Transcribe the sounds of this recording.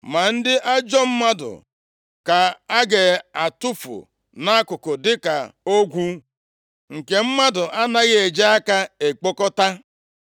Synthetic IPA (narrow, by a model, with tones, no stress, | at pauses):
ma˨n̩˦dɪ˦ʔa˦d͡ʒɔ˦m̩˦ma˦dʊ̰˨ | ka˨a˦ɡe˨a˨tʊ˦fʊ̰˨ | na˦a˦kʊ˨kɔ˨dɪ˦ka̰˨o˦ɡʷu˦ | ŋ̩˨ke˨m̩˦ma˦dʊ˨ʔa˦na˦ɣɪ˦e˨d͡ʒe˦a˦ka˦e˨k͡po˦kɔ˦ta˦